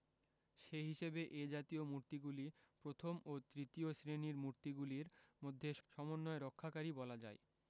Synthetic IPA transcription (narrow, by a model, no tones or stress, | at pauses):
ʃeɦiʃebeʔed͡ʑat̪iomuɾt̪iɡulipɾot̪ʰomot̪ɾit̪iosɾeniɾmuɾt̪iɡuliɾmod̪ʱːeʃɔmonːɔeɾokʰːakaɾibɔlad͡ʑa̰e